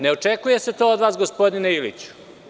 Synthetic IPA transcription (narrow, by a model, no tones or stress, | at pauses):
ne̞o̞t͡ʂekuje̞se̞t̪oːod̪ʋaːsɡospo̞d̪ineilḭt͡ɕu̥